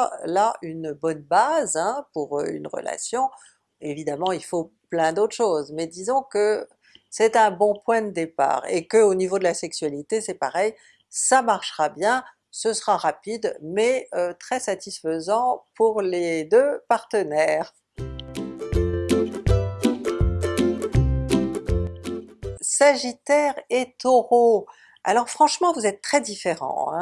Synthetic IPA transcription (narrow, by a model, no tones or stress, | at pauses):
laynbɔnbazɛ̃puʁø̰y̰nʁə̰lʔa̰sjɔ̃ | evid̪amɑ̃ilfoplɛ̃d̪ot̪χʃozmɛd̪izɔ̃kə | sɛt̪ɛ̃bɔ̃pwɛ̃d̪əd̪epa̰ːʁekəonivod̪əlasɛksɥalit̪esɛpaʁɛj | samaʁʃʁabjɛ̃ | səsəʁaʁapid̪mɛøt̪χɛsat̪isfəzɑ̃puʁled̪øpaʁt̪ənɛːʁ | saʒit̪ɛʁet̪oʁo | a̰lɔʁfχɑ̃ʃmɑ̃vuzɛt̪ːχɛd̪ifeʁɑ̰̃ɛ̰̃